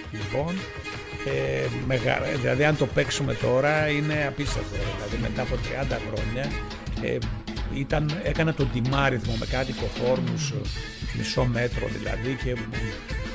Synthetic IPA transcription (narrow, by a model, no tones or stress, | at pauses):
lipo̞n | emeɣɐ̰ðilɐðiɐnt̪o̞pe̞ksume̞t̪o̞ɾɐine̞ɐpist̪evt̪eðilɐðime̞t̪ɐːpo̞t̪ɾiɐnd̪ɐxɾo̞ɲɐ | ḛ | it̪ɐne̞kɐnɐt̪o̞nd̪imɐɾiθmo̞me̞kɐt̪iko̞fo̞ɾnus | mḭso̞me̞t̪ɾo̰ðḭlɐ̰ðice̞